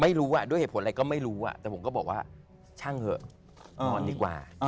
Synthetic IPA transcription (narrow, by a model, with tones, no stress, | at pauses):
ma˥˩jɾuː˦˥ʔa˨˩d̪u˥˩jhe˨˩tʰʔa˧kɔː˥˩ma˥˩jɾuː˦˥ʔa̰˨˩t̪ɛː˨˩pʰo˩˦mkɔː˥˩bɔː˨˩k̚waː˥˩ | t͡ɕʰa˥˩ŋhɤ˧˩˧ | ŋɔː˧ndiː˧kwa̰ː˨˩˧